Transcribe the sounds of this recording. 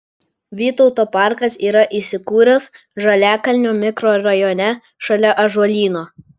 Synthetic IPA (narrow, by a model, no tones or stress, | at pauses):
ʋʲiːt̪ɔʊt̪oːpɑˑɾkɐsiːɾɐʔiˑsʲɪkuːɾʲɐs | ʒɐlʲæːkɐlʲnʲoːmʲɪkɾoːɾɐjɔːnʲɛ | ʃɐlʲɛʔɐʒuɔlʲiːnoː